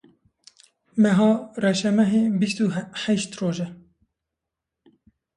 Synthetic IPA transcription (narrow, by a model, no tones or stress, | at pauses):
mɛɦɑːrɛʃɛmɛɦebist̪uhɛʃt̪roːʒɛ